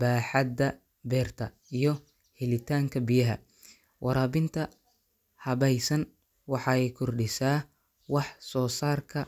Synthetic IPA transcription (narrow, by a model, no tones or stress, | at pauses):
baːħɑd̪ɐ | bɛːrt̪ʰɐ | ijɞ | hɛlɪt̪ʰaːŋkʰɐbijɐɦɐ̰ | wʔɑɾaːbɪnt̪ʰɐ | hɐβɛjsɐn | wɑħɑɛjkʰɔrɖɪsaː | wɑħsɔːsaːrkʰɐ